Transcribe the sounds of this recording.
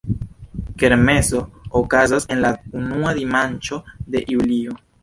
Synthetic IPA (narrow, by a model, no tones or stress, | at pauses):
ke̞ɾme̞zo̞ːkazase̞nlaunuadimant͡ʃo̞de̞̰ʔiulio̞